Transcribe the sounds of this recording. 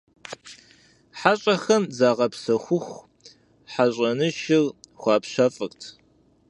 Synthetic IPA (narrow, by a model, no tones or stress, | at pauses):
ħaɕʼɐxɐmzaːʁɐpsɐxʷʊxʷ | ħaɕʼɐnɨʃɪrxʷɑːpɕɐfʼɨktʰ